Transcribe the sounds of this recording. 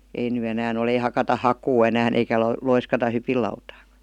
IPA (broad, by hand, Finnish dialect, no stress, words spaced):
ei ny enæːn ol ei hɑkɑtɑ hɑkuː enæːn eikæ lo loiskɑtɑ hypilːɑutɑːkɑ̥